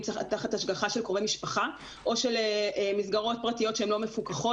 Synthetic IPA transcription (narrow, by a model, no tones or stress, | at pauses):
taat̪aχat̪haʃɡaχaʃelkʁovemiʃpaχa | ʔo̞ʃeleʔemizɡaʁo̞t̚pʁatijo̞tʃeemlo̞me̞fukaχo